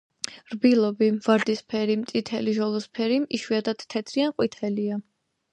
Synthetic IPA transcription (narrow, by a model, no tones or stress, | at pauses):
ɾbilˠɔbiv̥aɾd̪ispʰɛɾimt̪sʼit̪ʰɛ̰liʒɔlˠɔspʰɛɾimiʃwiad̪ad̪̥t̪ʰːɛt̪ʰɾianqʼwit̪ʰɛlia